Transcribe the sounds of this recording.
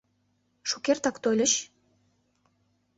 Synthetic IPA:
ʃukert̪ɑkt̪ojlʲə̆ɕ

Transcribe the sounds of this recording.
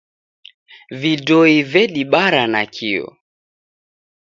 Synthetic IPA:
vidɔivɛɗiɓaɾanakʰiɔ̰

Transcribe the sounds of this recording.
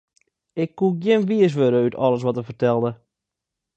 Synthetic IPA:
ɪkːuɡjɪnʋiəs̬ʋøɾəytʰɔ̰ləs̬ʋɔtəfərtɛlˠdə

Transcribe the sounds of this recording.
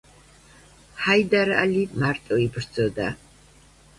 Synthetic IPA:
ħajd̪aɾa̰limart̪ʼɔibrd͡zɔd̪a̰

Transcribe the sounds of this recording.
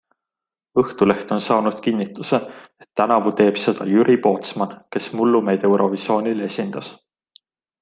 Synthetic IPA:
ɤht̪ule̞ht̪o̞nsɑːnud̪̥̚kinːit̪ːˑuse̞et̪ːænɑvut̪e̞ːb̥se̞d̪̥ɑ̰jyɾʔipo̞ːt̪smɑnke̞smulːume̞jd̪̥e̞wɾo̞viso̞ːnile̞sʲind̪̥ɑs

